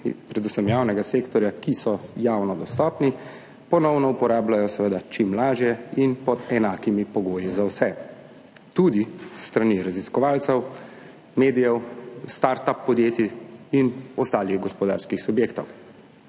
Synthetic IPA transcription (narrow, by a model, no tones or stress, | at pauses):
pɾɛd̪usəmjaːwnɛɡaseːkt̪ɔɾjakisɔjaːwnɔd̪ɔst̪ɔːpni | pɔnɔwnɔupɔɾaːblajɔsɛʋed̪at͡ʃimlaːʒjɛinpɔd̪ɛnaːkimipɔɡoːjizawsɛ | t̪ud̪ist̪ɾaniɾaziskɔʋaːlt̪sɛw | meːd̪ijɛwst̪aɾt̪apːɔd̪jeːt̪iinɔst̪aːliɣɡɔspɔd̪a̰ɾskixsubjeːkt̪ɔw